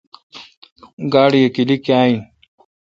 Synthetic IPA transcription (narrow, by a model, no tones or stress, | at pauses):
ɡaːɽijekilikiaːin